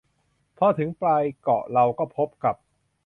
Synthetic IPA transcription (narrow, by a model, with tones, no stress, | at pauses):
pʰɔː˧t̪ʰɯ˩˦ŋplaː˧jkɔ̰˨˩ʔɾa˧wkɔː˥˩pʰo˦˥p̚ka˨˩p̚